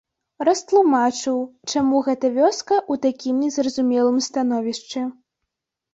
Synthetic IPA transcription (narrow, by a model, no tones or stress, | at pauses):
rɐst̪lˠumat͡ʂɨwt͡ʂamuɣɛt̪ɐvʲɔskɐʔut̪akʲimnʲɛzrɐzumʲɛlˠɨmst̪anɔvʲiʂt͡ʂɛ